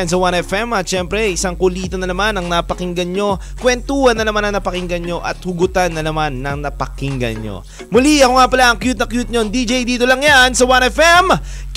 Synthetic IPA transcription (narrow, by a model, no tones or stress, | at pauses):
ns̬ɐwanɛfɛmɐt̪ʃɛmpɾɛʔɪsaŋkʊliːt̪onɐnɐmanɐŋnapɐkɪŋɡɐnɲo̞ | kwɛnt̪uːhɐnːɐnɐmanɐŋnɐpɐkɪŋɡɐnɲo̞ʔɐ̰t̪̚hʊɡʊt̪anːɐnɐmanːɐŋnɐpɐkiŋɡɐ̰nɲo̰ | mʊliʔɐkoŋapɐlaʔɐŋkjut̪̚nɐkjut̪̚ɲond̪id͡ʒejd̪iːt̪o̞lɐŋjansɐwanɛfɛm